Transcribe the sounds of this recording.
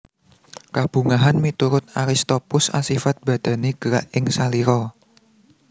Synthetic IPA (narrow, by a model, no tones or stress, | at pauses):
kab̥ṳŋaɦanmit̪uɾʊt̪̚aɾist̪opʊsa̰sifat̪̚b̥ä̤d̪̥ä̤neɡ̥əɾaʔɪŋsaliɾɔ